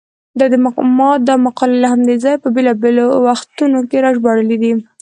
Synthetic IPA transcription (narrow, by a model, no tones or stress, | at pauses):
d̪ɑd̪əmaqmɑt̪̚d̪ɑmaqɑlalahamd̪ezɑjpəbelɑbelowaxt̪unokeɾɑʒbɑɽəled̪i